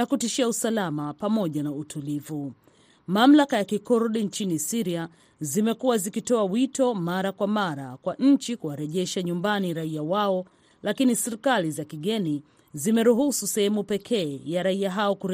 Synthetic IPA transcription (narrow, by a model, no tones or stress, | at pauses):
nakutiʃiausalamapamɔʄanautʰulivu | mam̩lakajakikɔɾɗint͡ʃinisiɾia | zimɛkuwazikitɔawitɔmaɾakwamaɾakwaʔɲ̩t͡ʃikuaɾɛʄɛʃaɲumbaniɾaiawaɔ | lakinisɛɾikalizakiɠɛni | zimɛɾuɦususɛhɛmupɛkʰɛːjaɾaiaɦaɔkuɾ